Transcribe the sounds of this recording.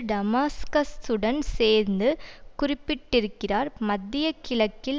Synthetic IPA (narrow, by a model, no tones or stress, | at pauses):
ɖɐmaːskɐsɯɽɐnseːɾnd̪ɯkʊrɪpːɪʈːɪɾɯkːɪraːɾmɐd̪ːɪjɐkɪɭɐkːɪl